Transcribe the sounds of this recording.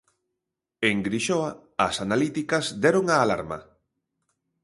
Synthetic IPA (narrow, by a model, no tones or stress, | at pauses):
eŋɡɾiʃoa | ɐsanalit̪ikɐzd̪ɛɾoŋaːla̰ɾmɐ̰